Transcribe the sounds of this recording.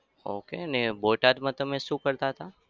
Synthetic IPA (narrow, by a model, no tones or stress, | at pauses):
o̰keəneboʈad̪mãt̪əmẽʃũːkəɾt̪aɦət̪a